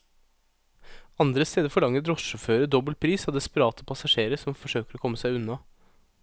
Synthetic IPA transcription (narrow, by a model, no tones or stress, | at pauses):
ɑnd̪ɾəst̪eːd̪əɾfɔɭɑŋəɾɔsʃɔføːɾəd̪ɔbəlt̪̚pʰɾiːsɑːd̪ɛspəɾɑːt̪əpʰɑsɑʂeːɾəsɔmfɔʂøːkəɾɔkʰɔmːəsæɪʉnːɑ